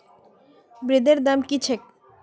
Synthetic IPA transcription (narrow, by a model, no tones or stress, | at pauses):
bɾid̪eɾd̪amkit͡ɕʰek̚